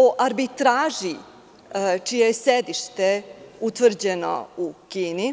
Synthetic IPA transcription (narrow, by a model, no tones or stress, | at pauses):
oʔaɾbit̪ɾaːʒi | t͡ʃijejesed̪iʃt̪eut̪ʋr̩d͡ʑeno̰ukiːni